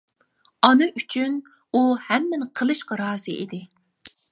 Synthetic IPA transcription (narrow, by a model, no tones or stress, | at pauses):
ɑnɨʔyt͡ʃʰyn | uhɛmːɪnɨqʰəlˠɨʃqɑɾɑːzɨ̰ʔid̪ɪ